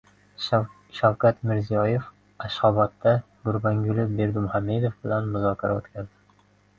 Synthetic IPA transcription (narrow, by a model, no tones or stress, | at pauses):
ʃawkat̪mɪɾzijɒjef | aʃhɒbɒt̪ːa | ɡ̥ʊɾbaŋɡʊlɪbe̞ɾd̪ʊmhamːe̞d̪ofbɪlanmʊzɒkʲʰaɾa̰o̰t̪kʲʰazd̪ɪ